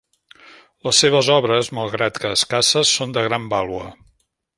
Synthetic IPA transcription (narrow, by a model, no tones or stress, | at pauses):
ləsːeβ̞əzɔβɾəzmalˠɣɾat̪kəːskasəsːond̪əɣɾambalˠuə